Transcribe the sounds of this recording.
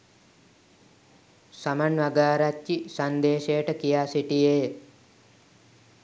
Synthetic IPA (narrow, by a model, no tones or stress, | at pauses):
samanʋaɡaːɾatːisand̪eːʃejəʈəkijaːsiʈijeː